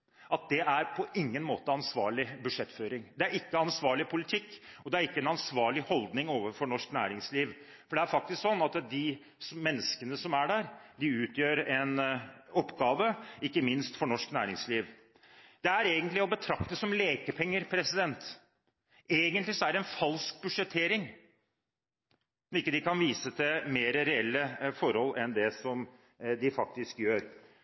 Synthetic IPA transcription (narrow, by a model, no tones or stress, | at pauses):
ɑt̪̚d̪ɛæɾpʰɔʔɪŋːənmo̰ːt̪əɑnsʋɑːɭɪbʉd̪ʂɛt̪ːføːɾɪŋd̪ɛæɾɪkːəɑnsʋɑːɭɪpʰʊlɪt̪ʰɪkːɔd̪ɛæɾɪkːəɛnɑnsʋɑːɭɪhɔld̪nɪŋoːʋəfɔɳɔʂknæ̰ːɾɪŋsliːʋ | fɔɖɛæɾfɑk̚t̪ɪsksɔnːɑt̪d̪ɪ | smɛnːəskənəsɔmæɖæːɾd̪ɪʉːt̪jøːɾɛnɔpːɡɑːʋəɪkːəmɪnst̪fɔɳɔʂknæ̰ːɾɪŋsliːʋ | d̪ɛæɾeːɡənt̪lɪɔbət̪ʰɾɑkt̪əsɔmleːkəpʰɛŋːəɾpʰɾɛsɪd̪ɛnt̪ | eːɡənt̪lɪsɔæɖ̪ɛnfɑlsk̚bʉʂɛt̪ʰːeːɾɪŋ | ɪkːəd̪ɪkɑnʋiːsət̪ʰɪmeːɾəɾɛɛlːəfɔɾhɔlːʔɛnd̪ɛsɔm | d̪ɪfɑk̚t̪ɪskjøːɾ